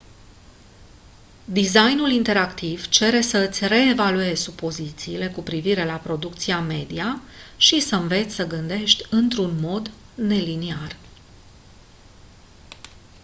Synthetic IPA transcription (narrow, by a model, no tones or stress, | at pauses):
d̪izajnulint̪e̞ɾakt̪iv̥t͡ʃe̞ɾe̞səɨt̪sʲre̞ːvalue̞z̥ʲsupo̞zit̪siːle̞kupɾiviɾe̞lapɾo̞d̪ukt̪siame̞d̪iaʃisəmve̞t̪sʲsəɡɨnd̪e̞ʃt̪ʲɨnt̪ɾunmo̞d̪ | ne̞linear